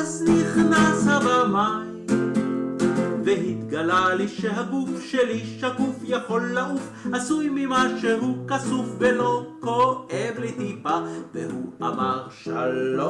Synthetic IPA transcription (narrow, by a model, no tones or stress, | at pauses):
zniχnashabamaj | veɦit̪ɡalaliʃeɦaɡufʃeliʃakufjaħo̞lːaʔufʔasujmimaʃeɦukasufbelokoʔevlet̪ipavehuʔa̰maʁʃa̰lo